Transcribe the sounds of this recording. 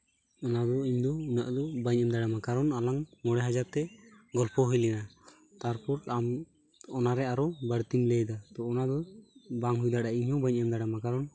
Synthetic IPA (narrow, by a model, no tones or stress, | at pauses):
ɔnad̪ɔiɲd̪ɔunaʔd̪ɔbaɲɛmd̪aɽamakaɾɔnalaŋmɔɽɛɦad͡ʒaɾt̪ɛɡɔlpɔɦujlɛna | t̪aɾpuɾam | ɔnaɾɛaɾɔbəɽt̪imlɛjd̪at̪ɔːnad̪ɔbaŋɦujd̪aɽaiɲhɔbaɲamd̪aɽamakaɾɔn